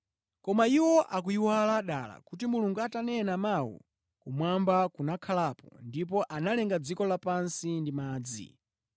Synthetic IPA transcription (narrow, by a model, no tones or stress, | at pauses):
kɔmaiwɔʔak̬uiwalaɗala̰kutimuluŋɡuatanɛnamawṵ | kumwambakunakʰalaːpɔndip̬ɔʔanalɛŋɡad͡zikɔlapansindimaːd͡zḭ